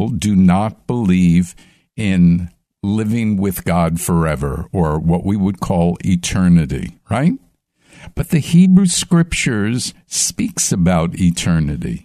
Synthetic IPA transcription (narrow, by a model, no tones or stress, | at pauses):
l̩ˠdɨnət̚b̥əliv | ɪ̃n | lɪvɪ̃ŋwɪð̥ɡ̥ɑd̥fə˞ɛvə̰˞ə˞wʌʔwiwəd̚kʰɔlˠɪ̰tʰɜ˞nɨɾḭɹaɪt̚ | b̥ʌt̪̚ðɨhibɹʉskɹɪp̚t͡ʃə˞z̥ | spiksɨbaʊɾɪtʰɜ˞nɨɾḭ